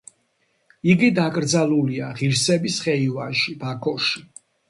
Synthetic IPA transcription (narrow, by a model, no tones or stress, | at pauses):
iɡid̪akʼɾd̪zaluliaʁiɾsɛbisχɛivanʃibʰakʰɔʃi